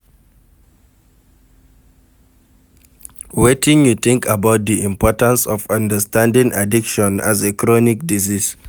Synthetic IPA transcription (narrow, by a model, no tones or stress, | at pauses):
wetɪ̃ŋjut̪ɪ̃ŋkʰabawt̚d̪iʔĩmpʰɔtãnsɔfãndəstãndĩŋʔa̰dikʃɔ̃na̰zekɹɔnik̚dizis